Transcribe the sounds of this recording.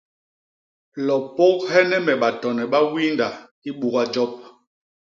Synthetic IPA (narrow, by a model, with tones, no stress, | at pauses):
lɔ˨po˦k̚hɛ˦nɛ˦mɛ˨ɓa˨tɔ˨nɛ˨ɓa˦wi˦nda˨ | i˦ɓu˦ɣa˦d͡ʒɔ˦p̚